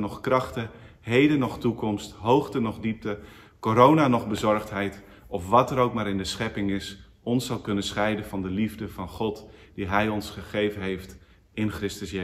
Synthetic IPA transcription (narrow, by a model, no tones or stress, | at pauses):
nɔχkrɑχtəɦejdənɔχtukɔmstɦowχtənɔχdip̚tə | koɾownanɔχbəzɔɹχtɦɛjt | ɔfʋɑtəɾowkmaːɾɪndəsχɛpɪŋɪs | ɔnsːɑlˠkɵnəsχɛjdənvɑndəlivdəvɑnχɔtd̥iɦɛjɔnsχəχejvənɦejft | ɪnχrɪstəsje